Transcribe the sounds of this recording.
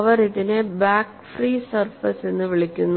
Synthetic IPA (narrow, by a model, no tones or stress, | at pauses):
ʋɐriðinebaːk | friːsɐrfɐsenːɨʋiɭikʲːunː